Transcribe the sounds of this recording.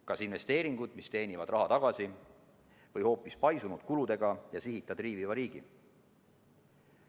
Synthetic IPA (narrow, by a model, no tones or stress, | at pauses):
kɑsinve̞st̪e̞ːɾiŋɡ̥ud̪̥mist̪e̞ːnʲivɑd̪̥rɑɦɑt̪ɑɡ̥ɑsi | vɤjho̞ːpːˑispɑjsunud̪̥kulud̪e̞ɡ̥ɑjɑsiɦit̪ˑːɑd̪̥riːvivɑɾiːɡ̥i